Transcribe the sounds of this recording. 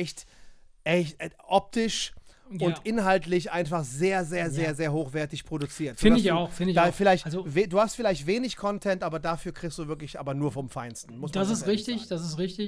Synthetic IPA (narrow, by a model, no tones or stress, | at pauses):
ɛçtʔɛçtʔɛʔɔp̚tʰɪʃ | ʊntʔɪnɦaltlɪçʔaɪnfaχzeːɐzeːɐzeːɐzeːɐhoːxv̥ɛɐtɪçpʁ̥odʊt͡siːɐtz̥oɪːdadɪçaʊxfɪndɪdafɪlaɪçtalzoveduːhastfɪlaɪçtveːnɪçkʰɔntʰɛntʔaːbɐdafyːɐkʁ̥ɪkstd̥uːvɪɐklɪçʔa̰ːbɐnuːɐfɔmfaɪnstn̩mʊsd̥asɪsʁɪçtɪçd̥asɪstʁɪçtɪ